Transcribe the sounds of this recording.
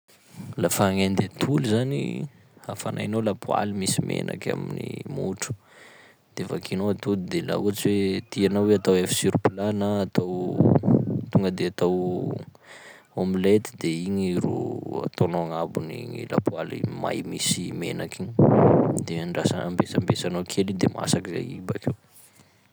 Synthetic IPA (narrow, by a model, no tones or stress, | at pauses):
lafaŋend̪et̪ʰulizanḭ | afanʔa̰inolapua̰limisimḛnʔa̰ka̰minḭmuʈ͡ʂu̥ | d̪̥evakinoat̪ulid̪ela̰uat͡siwet̪ianawweat̪awefi̥siɾupilanaːt̪aw | t̪uŋɡəd̪eat̪aw | omilet̪i̥d̪eiɲiɾo̰a̰t̪onoaŋabuniɲila̰pualḭma̰jmisimenakiɲ | d̪eɳɖ͡ʐasaambesambesanokʰelid̪ema̰sakiza̰jibakew